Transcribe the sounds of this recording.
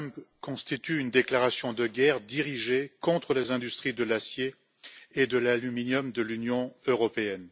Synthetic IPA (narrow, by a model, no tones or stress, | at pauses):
mkɔ̃st̪it̪yynd̪eklaʁasjɔ̃d̪əɡʲɛʁd̪iʁiʒekɔ̃t̪χəlezɛ̃d̪yst̪χid̪əlasjeː | d̪əlalyminjɔmd̪əlynjɔ̃øʁɔpeɛn